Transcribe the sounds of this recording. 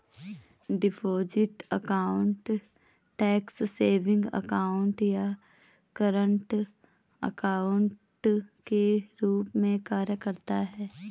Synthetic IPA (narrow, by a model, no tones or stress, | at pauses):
ɖɪpʰoːd͡ʒɪʈəkaːʊɳʈ | ʈɛːksseːʋɪ̃ŋɡə̰kaːʊɳʈja | kəɾə̃ɳʈ | ə̰kaːʊɳʈkeɾuːpmẽkaːɾjəkəɾt̪aɦɛː